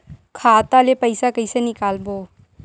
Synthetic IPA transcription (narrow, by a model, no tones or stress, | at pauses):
kʰaːt̪alepəɪsakɐisenɪkaːlboː